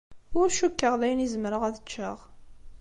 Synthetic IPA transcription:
ʊɾʃukːəʁðæjnizəmɾəʁæðət͡ʃːəʁ

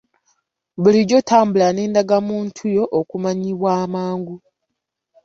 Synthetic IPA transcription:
βuliɟo̞tʰaːmbulane̞ːndaɡamuːntʰujo̞ʔokumaɲiβwaːmaːŋɡu

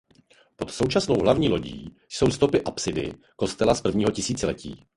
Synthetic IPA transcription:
po̞t̪so̞wt͡ʃasno̞wɦlavɲiːlo̞ɟḭː | jso̞wst̪o̞pɪʔapsɪdɪ̰ | ko̞st̪ɛlaspr̩vɲiːɦo̞cɪsiːt͡sɪlɛcḭː

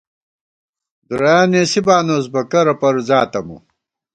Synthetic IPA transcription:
d̪uɾɐjaːneːsibaːnoːsbɐkɐɾɐpɐɾzaːt̪ɐmṵ

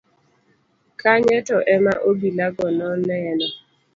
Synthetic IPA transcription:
kaɲɛtɔʔɛmaʔobilaɡɔnɔnɛnɛ

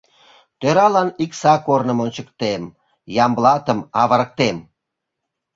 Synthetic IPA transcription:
t̪øɾɑlɑniksɑkornəmonʲt͡ɕə̆kt̪em | jɑmblɑt̪əmɑβəɾə̆k̚t̪em

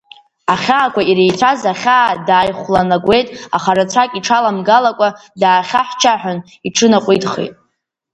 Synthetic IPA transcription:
aχʲaːkʷʰaiɾejt͡sʷʰazaχʲaːdaːjχʷlanaɡʷe̞jtʼa̰χaɾat͡sʷʰakʲʼiʈ͡ʂʰalamɡalakʷʼadaːχʲaħt͡ʃʰaħʷᶣʊn | iʈ͡ʂʰɨnaqʷʼijtʼχḛjtʼ

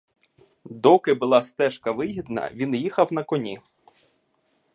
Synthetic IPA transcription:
d̪ɔkɪbʊlˠɑst̪ɛʃkɐʋɪɦid̪nɐ̰ʋʲinjixɐwnɐkɔnʲi

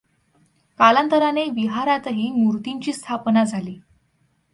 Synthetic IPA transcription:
kalant̪əɾaneʋiɦaɾat̪əɦiːmuɾt̪iɲt͡ɕiːst̪ʰapnad͡zʱaliː

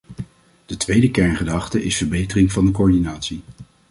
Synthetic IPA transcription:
d̥ətʋejdəkɛɹnχədɑχtəʔɪsfəɹbejtərɪŋvɑndək̬oːɹdinaːtsi

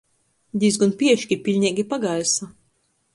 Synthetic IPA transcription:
d̪ʲizɡunpʲiɛʃkʲipʲilʲɲʲiɛɡʲipaɡajsa

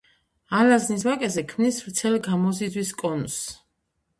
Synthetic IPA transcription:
alaznisvakʼɛzɛkʰmnisvɾt̪sʰɛlɡamɔzid̪zwiskʼɔns

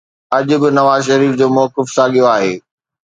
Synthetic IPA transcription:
ɐʄʊbɪnɐʋaːzʃɐɾiːfd͡ʑoːmɔːkɪfsaːɠijoaːɦeː

